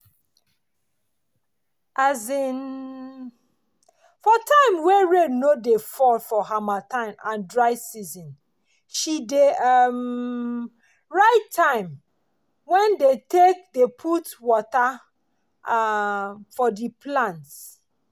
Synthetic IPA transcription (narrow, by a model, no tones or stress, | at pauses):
azin | fɔtʰãɪ̃mweɹenodefɔlfɔɦamatʰãɪ̃mãndɹaɪsizɔ̃n | ʃideam | ɹaɪtʰːãɪ̃m | wɛ̃ndetʰek̚depʰutwɔta | fɔdipʰlãnt